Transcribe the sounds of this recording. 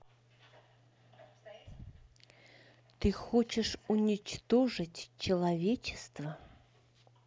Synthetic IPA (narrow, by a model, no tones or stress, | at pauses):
t̪ɨxot͡ɕɪʂʊnʲɪt͡ɕt̪oʐɨtʲt͡ɕɪlˠɐvʲet͡ɕɪ̥st̪və